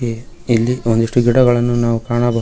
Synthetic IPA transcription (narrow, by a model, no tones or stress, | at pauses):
e | ilːiond̪uʂʈuɡiɽɐɡɐɭɐnːunaːʋukaːɳɐbɐ